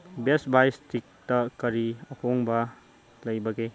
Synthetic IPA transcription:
besbajstʰik̚tɐkɐɾiɐhʰoŋbɐ | lɐjbɐɡe

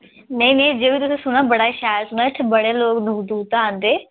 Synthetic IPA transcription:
nə̃ĩːnẽĩd͡ʒeːbit̪ʊsẽːsʊñaːbəɽaːʃaːjɾsʊnaːɪt̪ʰːebəɽeːloːknʊkd̪uːt̪ãːnd̪eː

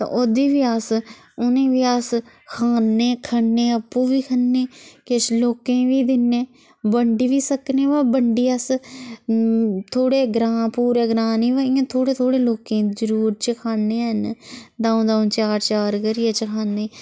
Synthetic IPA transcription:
t̪ã̰ːʔod̪iːʋiːaːs | ʊnẽːʋiːaːs | kʰaːnːeːkʰənːeːəpːũːʋiːkʰənːeːkɪsloːkẽːʋiːd̪ɪnːẽː | bəɳɖiːʋiːsəkneːʋaːbəɳɖiːəs | t̪ʰoːɽeːɡɾãːpuːɾeːɡɾaːniːʋaːĩãːt̪ʰoːɽeːt̪ʰoːɽeːloːkẽːzəɾuːɾt͡ʃəkʰaːnːeːɦənd̪ãːõːd̪aːõːt͡ʃaːɾt͡ʃaːɾkəɾiːeːt͡ʃəkʰaːnːeː

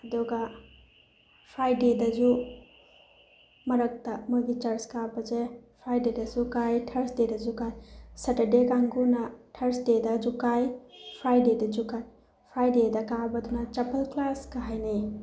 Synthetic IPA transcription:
ɐduɡɐ | pʰɾajdedɐzu | mɐɾɐk̚tɐmojɡit͡ʃɐɾskabɐzepʰɾajdedɐzukajtʰɐɾsdedɐzukajsatɐdekaŋɡunɐtʰɐɾsdedɐd͡ʒukajpʰɾajdedɐd͡ʒukaj | pʰɾajdedɐkabɐdunɐt͡ʃɐpɐlklaskaɦajni

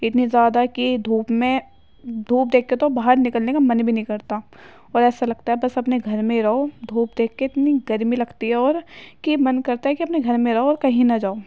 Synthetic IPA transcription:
ɪt̪nizjaːd̪akid̪ʱuːpmẽ | d̪ʱuːp̚d̪eːkʰːet̪obaːɦəɾnɪkəlnekamɐnbʱinɦĩkɐɾt̪a | ɔːɾɛːsalɐɡ̚t̪aɦɛbɐsɐpneɡʱɐɾmẽɾɐod̪ʱuːp̚d̪eːkʰːeɪt̪niɡɐɾmilɐɡt̪iɦɛɔːɾkimɐnkɐɾt̪aɦɛkiɐpneɡʱɐɾmẽɾɐɦoɔːɾkɐɦĩnɐd͡ʒaːo

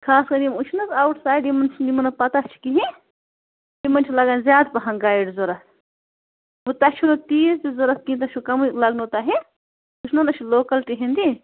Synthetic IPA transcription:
kʰaːskɐɾimut͡ʃʰnɐzɐwʈsaːjɖimɐnt͡ʃʰinimɐnɐpɐt̪at͡ʃʰi̥kiɦĩ | imɐnʲt͡ʃʰilɐɡaːnzjaːd̪pɐɦɐŋɡaːiɖzoɾɐs | but̪ɐt͡ʃʰunɐt̪iːsd̪izoɾɐskiĩt̪̬ɐʃʰukɐmulɐɡnut̪aɦe | ut͡ʃʰnɐnɐt͡ʃʰiloːkɐlʈiɦĩnd̪i

